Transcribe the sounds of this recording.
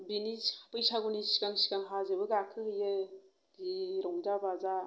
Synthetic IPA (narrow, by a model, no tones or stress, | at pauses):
binispɯjsaɡunisi̥kaŋsi̥kaŋɦazɯbɯɡakʰɯhɯjɯ | ɡiɾɔŋzabaza